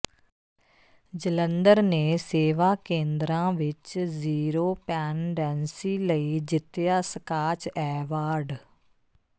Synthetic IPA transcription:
d͡ʒələnd̪əɾneːseːʋaːkẽːnd̪ɾãːʋɪt͡ʃziːɾoːpɛːnɖɛːnsiːləiːd͡ʒɪt̪ːɪjaːsəkaːt͡ʃɛːʋaːɾɖ

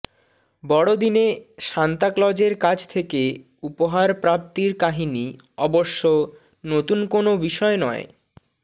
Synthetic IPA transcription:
bɔɽod̪ineʃant̪aklɔd͡ʑeɾkad͡ʑt̪ʰeke | upoɦaɾpɾap̚t̪iɾkaɦini | ɔboʃːo | not̪unkonobiʃɔenɔ̰e

